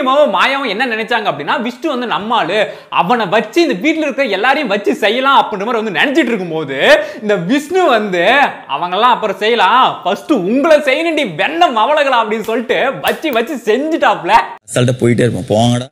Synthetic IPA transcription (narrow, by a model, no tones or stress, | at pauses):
ɐmaːʋɐ̃maːjaːʋɐ̃ɛnːɐnɪnɛt͡ʃːaːŋɡɐpːɐɽɪnːaːʋɪʂnɯʋɐnd̪ɯnɐmːaːlɯ | ɐ̰ʋɐnɐʋɐt͡ʃːɯɪnd̪ɐʋiːʈ̬ːlɪɾɯkːɯɾɐɛlːaːɾɐjʊ̃ʋɐt͡ʃːɯsɛjːɐlãːɐpːɐnɯɐmaːɾiʋɐnd̪ɯnɛnɛt͡ʃːɪʈːɪɾɯkːɯmpoːðɯɪnd̪ɐʋɪʂnɯʋɐnd̪ɯ | ɐ̰ʋɐŋɡɐlːãːɐpːɯɾɐ̃sɛjːɐlãːfɐsʈɯʊŋɡɐɭɐsɛjːɐnɪɳɖiʋɛɳːɐmɐʋɐɭɐɣɐɭaːɐpːɐɽɪnːɯsɔlːɪʈːɯʋɐt͡ʃːiʋɐt͡ʃːɯsɛɲd͡ʒɪʈːaːpːlɐsɐlt̪ɐpoːjɪʈːɐɪɾɯpːõ̰ːpoːʋaːŋɡɐɽ